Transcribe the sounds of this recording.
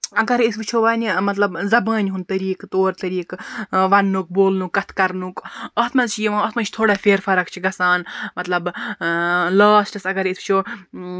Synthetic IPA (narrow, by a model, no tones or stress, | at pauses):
ɐɡɐɾisbit͡ʃʰoːʋaːnʲimɐt̪lɐbzɐbɐːnʲɦunt̪ɐɾiːkt̪oːɾt̪ɐɾiːkʋɐnːuk̚boːlnukːɐt̪ʰkɐɾnukɐt̪ʰmɐzt͡ʃʰijiʋãːɐt̪ʰmɐt͡ʃʰt̪ʰoːɽaːfʰʲeːɾfɐɾɐkt͡ʃʰiɡɐsaːnmɐt̪lɐb | laːsʈɐsɐɡɐɾisbit͡ʃʰoː